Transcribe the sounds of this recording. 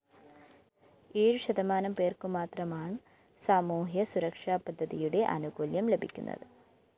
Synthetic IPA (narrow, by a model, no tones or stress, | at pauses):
eːɻɕɐðɐmaːnɐmpe̞ːrkumaːt̪rɐmaːɳɨ | saːmuːɦjɐsuɾɐkʂaːpɐd̪ʱːɐðijuɽe̞ʔɐ̰nuɡoljɐmlebʱikʲːunːɐ̰ðɨ